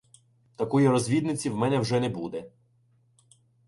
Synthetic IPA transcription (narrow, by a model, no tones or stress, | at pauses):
t̪ɐkɔjiɾɔzʲʋʲid̪nɪt͡sʲiwmɛnɛwʒɛnɛbud̪ɛ